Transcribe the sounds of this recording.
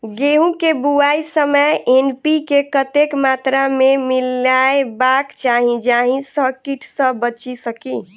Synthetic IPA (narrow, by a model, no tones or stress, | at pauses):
ɡeɦũkebuaisəməjenpikekət̪ekmat̪ɾamemilːaebakt͡ʃaɦĩd͡ʒaɦĩsəkiʈʰsə̃bət͡ʃisəki